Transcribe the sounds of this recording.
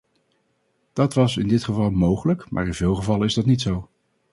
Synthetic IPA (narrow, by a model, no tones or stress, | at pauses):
d̥ɑtʋɑsɪ̰ndɪtχəvɑlˠmowχələkmʔa̰ːɹɪnvɪːlˠχəvɑlˠənɪzdɑtnitsow